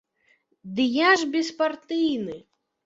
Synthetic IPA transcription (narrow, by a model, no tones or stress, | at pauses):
d̪ɨjaʐbʲɛspart̪ɨjnɨ